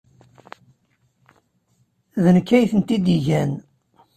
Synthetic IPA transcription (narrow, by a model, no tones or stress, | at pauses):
ðənəkːæjθənt̪id̪iʝæn